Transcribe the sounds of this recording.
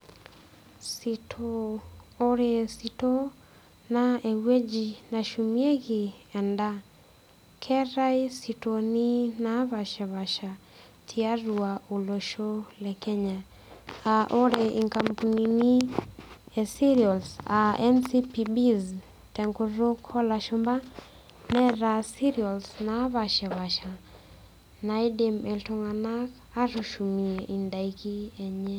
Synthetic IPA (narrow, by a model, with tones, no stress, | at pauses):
sitʰɔ | ɔɾɛsitɔ˦ | naɛ˨we˦d͡ʒinaʃumiɛ˦ɣi˨ɛ˨nda˦ | kʰɛɾa˦isitɔni˦naβa˨ʃa˨βa˨ʃa˨ | tʰia˦ɾuau˨lɔʃɔlɛkɛɲa | aʔo˦ɾeʔi˨ŋka˨mpunini˦ | ɛ˨si˦ɾiɔ˨lsaɛnsipibiz | tɛ˨ŋko˦ɾo˦kʰɔ˦laʃʊmba˦ | nɛ˦ɾasi˦ɾiɔ˨lsnaβa˨ʃɛ˨βa˨ʃa˨ | naide˨mɛ˨ltʊŋa˨na˦k | a˦ɾu˨ʃu˨mi˨eʔi˨nda˨iki˦ɛ˨ɲɛ˦